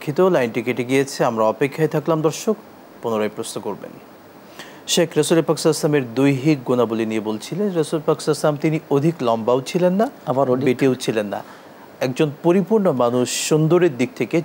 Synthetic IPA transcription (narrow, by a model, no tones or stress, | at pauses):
kʰːit̪olajnʈikeʈeɡijet͡ɕʰeamɾaɔpekʰːaet̪ʰaklamd̪ɔɾʃok | ponoɾojpɾosnokoɾbḛn | ʃekʰɾesulepaki̥saslameɾd̪ojɦik̚ɡonabolinijebolt͡ɕʰilenɾasulepaki̥saslamt̪iniod̪ʱiklɔmbawt͡ɕʰilenːaabaɾoieʈiowt͡ɕʰilenːa̰ | ɛk̚d͡ʑonpoɾipuɾɳomanuʃːund̪oɾeɾd̪ik̚t̪ʰeke